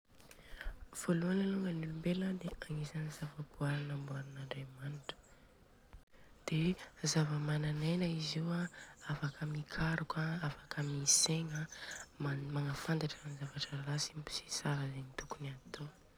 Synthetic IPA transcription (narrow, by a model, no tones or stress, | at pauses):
v̥oluanəluŋɡənulumbeləd̪eaŋisanizavəkuaɾanəmbuaɾunaɳɖ͡ʐemaniʈ͡ʂə̥ | d̪̥ezavəmananejnəiziwaafakʰəmikʰaɾukaafḁkəmiseŋəmamaŋəfand̪aʈ͡ʂanizavaʈ͡ʂəlasimpi̥si̥saɾəzenit̪ukuniat̪ʰo